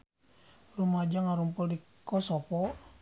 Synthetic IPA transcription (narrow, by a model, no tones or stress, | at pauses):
rumad͡ʒaŋaɾumpʊldikɔsɔpɔ